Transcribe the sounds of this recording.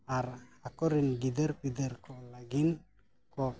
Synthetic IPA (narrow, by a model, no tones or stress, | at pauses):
aɾakɔɾinɡid̪ɛɾpid̪ɛɾkɔlaɡin | kɔ